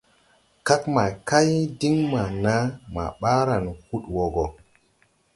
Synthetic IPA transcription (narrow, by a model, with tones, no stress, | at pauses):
ka˦kma˨ka˦jdi˦ŋma˨na˦ma̰˨ɓa˦ɾa˨nhu˦ɗwo˨ɡo˨